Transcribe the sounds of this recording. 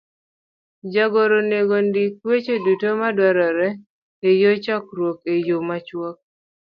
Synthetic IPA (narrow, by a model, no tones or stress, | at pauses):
d͡ʒaɡoɾoneɡondikwet͡ʃedutomadwɛɾɔɾɛ | ejot͡ʃakɾwokejomat͡ʃwɔk̚